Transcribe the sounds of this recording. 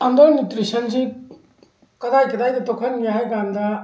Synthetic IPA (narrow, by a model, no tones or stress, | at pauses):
and̪ɔɾnit̪ɾisɐnd͡ʒi | kɐd̪ajkɐd̪ajd̪ɐtokʰɐnmijaɦajɡand̪a